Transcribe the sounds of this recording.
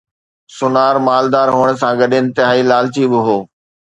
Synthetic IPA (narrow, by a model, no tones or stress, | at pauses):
sʊnaːɾmaːld̪aːɾɦuːəɽ̃̆sãɡɐɗɪ̃nt̪ɪɦaːilaːlt͡ɕibɪɦoː